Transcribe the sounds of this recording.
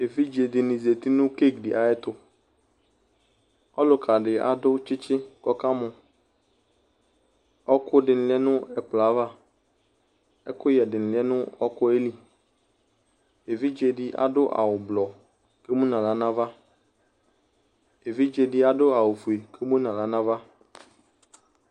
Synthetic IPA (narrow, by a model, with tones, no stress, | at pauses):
e˨vi˦d͡ʒe˨dɪ˨nɪ̃˨ze˨t̪i˦nʊ̃˦ke˦˨kdi˨ʔa˨ɛ˦t̪ʊ˦ | ɔ˦lʊ˨kʰa˨ɖɪ˨a̰˨dʊ˦t͡ʃɪ˦t͡ʃɪ˦kɔ˦ka˦mʊ̃˨ | ɔ˦kʰʊ˦dɪ˨n̩˨lɛ˦nʊ̃˦ɛ˨k͡pla˨˦va˦ | ɛ˦kʊ˦jɛ˨dɪ˨n̩˨lɛ˦nʊ̃˦ɔ˦kʊ˦e˦li˨ | e˨vi˦d͡ʒe˨di˦ʔa̰˨ɖʊ˦ʔa̰˨wʊ˨blɔ˨ | ke˦mũ˦nã˨la˨nã˦va˦ | e˨vi˦d͡ʒe˨di˦a˨dʊ˦a˨wʊ˨fu˨e˨kʰe˦mũ˦nã˨la˨nã˦va˦